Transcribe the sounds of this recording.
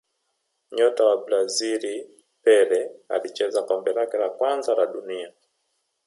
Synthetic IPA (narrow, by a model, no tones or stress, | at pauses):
ɲɔtawabɾaziɾi | pɛɾɛa̰lit͡ʃɛzakɔmbɛlakɛlakwanzalaɗunia